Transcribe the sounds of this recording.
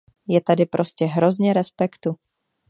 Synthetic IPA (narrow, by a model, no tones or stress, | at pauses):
jɛt̪adɪpɾʔo̞scɛɦɾo̞zɲɛɾɛspɛkt̪u